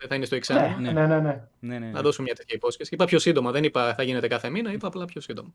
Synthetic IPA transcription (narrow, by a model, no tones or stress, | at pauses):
ðeθɐinest̪oeksɐnenenennɐ̰ðo̞sumemɲɐt̪et̪çɐipo̞sçe̞siipɐpçosind̪o̞mɐðenipɐθɐʝine̞t̪e̞kɐθe̞minɐipɐːplɐpçosind̪o̞mɐ